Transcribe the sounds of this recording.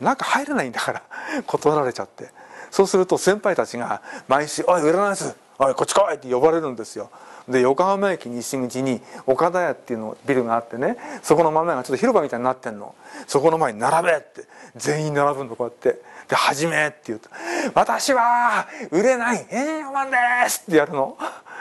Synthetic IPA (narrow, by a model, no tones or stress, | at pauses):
nãŋkahaiɾenaĩnd̪akaɾakʰot̪o̞ɾaɾe̞t͡ɕat̪ːe̞so̞ːsɨɾɯ̟t̪o̞sẽ̞mpait̪at͡ɕiɡamaiɕɨʔoiɯ̟ɾenaisɨ | oiko̞t͡ɕːi̥kaβait̪ːejo̞βaɾe̞ɾɯ̟nod̪esɨjo̞d̪e̞jo̞kahamaekʲiɲ̟iɕiŋɯ̟t͡ɕiɲ̟io̞kad̪ajat̪ːe̞jɯ̟nobʲiɾɯ̟ɡaːt̪ːe̞ne̞so̞ko̞no̞mamaeɡat͡ɕot̪ːo̞çiɾobamʲit̪aiɲinat̪ːẽ̞nːo̞̰so̞ko̞no̞maeɲinaɾabe̞t̪ːezẽ̞ɰ̃ĩnaɾabɯ̃nd̪okojat̪ːe̞d̪̥e̞haʑime̞t̪ːe̞jɯ̟t̪ːβat̪aɕiβaɯ̟ɾe̞naihẽɲ̃ɕĩŋɡomãnd̪esɨ̥t̪ːe̞jaɾɯ̟no̞